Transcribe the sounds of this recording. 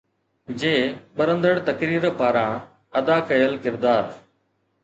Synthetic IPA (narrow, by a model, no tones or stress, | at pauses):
d͡ʒeːɓəɾə̃nd̪əɽt̪ɐkɾiːɾpaːɾãː | əd̪aːkɐjəlkɪɾd̪aːɾ